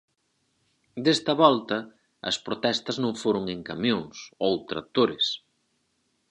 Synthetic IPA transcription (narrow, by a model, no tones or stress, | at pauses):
d̪est̪ɐβɔlt̪ɐ | ɐ̰spɾot̪ɛst̪ɐznõŋfoɾoŋeŋkamjoŋsowt̪ɾɐ̰t̪oɾɪs